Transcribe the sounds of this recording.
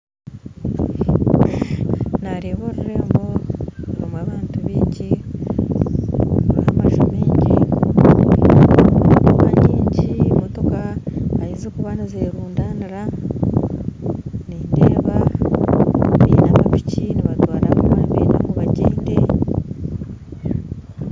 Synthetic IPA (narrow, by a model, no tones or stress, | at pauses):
naɾeβoɾaɾeːmbo̞ɾomwaβaːntuβiːɲɟi | hamaʒomiːɲɟi | momotokaɲiːɲɟimoto̞kaːjizekuβanizeːɾuːndaniɾa | nindeːβa | βinamapi̥ciniβatwaːɾaβuβaːmbḭna̰muβaɟeːnde